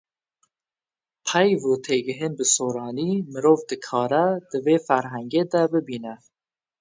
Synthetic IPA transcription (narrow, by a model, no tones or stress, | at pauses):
pʰɛjvoːt̪ʰeːɡɨɦɨnbɨsoːɾɑːniːmɨɾoːvd̪ɨkʰɑːɾɛd̪̥ɨveːfæɾɦæŋɡeːd̪ɛbɨbiːnɛ